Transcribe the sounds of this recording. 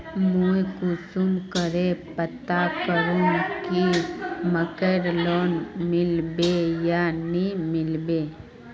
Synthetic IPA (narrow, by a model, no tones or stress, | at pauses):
mujkusumkəɾepət̪ːakəɾũkiməkeːɾloːnmɪlbejanimɪlbeː